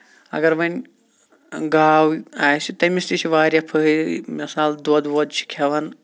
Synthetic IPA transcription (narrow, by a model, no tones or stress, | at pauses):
ɐ̰ɡɐɾʋɐnʲ | ɡaːwaːjsit̪ɐmist̪it͡ʃʰiʋaːɾʲjɐpʰɐɦmɐsaːld̪od̪ʋod̪t͡ʃʰi̥kʲʰɐʋɐn